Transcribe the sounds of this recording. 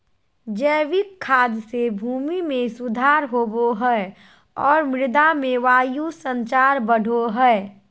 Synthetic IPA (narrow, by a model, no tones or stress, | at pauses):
d͡ʒɛːʋikkʰːaːd̪sebʱuːmimẽsʊd̪ʱaːɾɦoboɦɛ | ɔːɾmɪɾd̪amẽʋaːjusə̃nt͡ʃaːɾbəɽ̤ʱoɦɛɛ